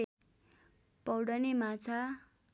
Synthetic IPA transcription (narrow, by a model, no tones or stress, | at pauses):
pʌwɽʌnemat͡sʰa